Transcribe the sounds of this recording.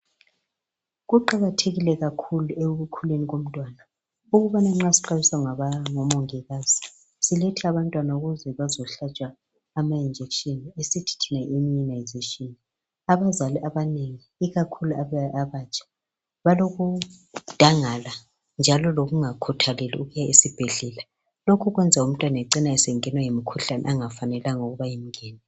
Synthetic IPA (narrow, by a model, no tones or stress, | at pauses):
ɣuǃaɣatʰeɣilɛɣakʰulueɣukʰuleniɣom̩tʼwaːna | uɣuβanaŋ͡ǁasi̥ǃaβisaŋaaŋɔmɔŋɛɣaːz̥i | siletʰiaβantʼwanauɣuzɛβazɔɬat͡ʃʼwaː | maind͡ʒʱɛkʃɔnesitʰi̥tʰinaʔemiɔnajzeʃʼiɔn | aβazaliʔaβaneŋiːɣakʰuluaβɛaβat͡ʃʰʼḁ | βaloɣu | d̥ʱaŋala | nd͡ʒʱalɔloɣuŋakʰutʰalɛlḭuɣujaʔisib̥ʱɛɮɛla | lokʰuɣwɛnd͡zʱaum̩tʼwanaɛǀinaɛsɛŋɛnwaŋemikʰuɬanɛ̰ʔaŋafanɛlaŋoɣuβajim̩ŋɛːnɛ